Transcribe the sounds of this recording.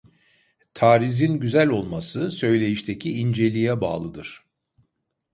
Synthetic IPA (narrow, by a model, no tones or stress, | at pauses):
t̪ʰaːɾizinɟyzælʲo̞lˠmasɯsø̞jlʲe̞jiʃt̪ʰecʰiind͡ʒe̞lʲijɛba̰ːlˠɯd̪ɯɾ̥